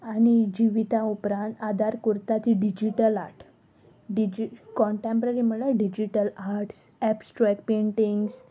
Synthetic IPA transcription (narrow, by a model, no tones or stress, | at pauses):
añid͡ʑiʋit̪aupɾãnt̪ad̪ʱaɾkuɾt̪at͡ɕiɖid͡ʑiʈəlaɾʈ | ɖid͡ʑikɔɳʈẽmpɾaɾim̤əɡlaɖid͡ʑiʈəlaɾʈs | ɛpsʈɾɛk̚peɳʈiŋɡs